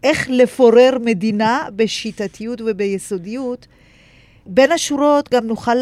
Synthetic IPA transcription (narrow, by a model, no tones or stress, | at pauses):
ʔe̞χle̞foʁeʁme̞dinabe̞ʃitatijutvebejeso̞dijut | be̞nhaʃuʁo̞tɡamnuχal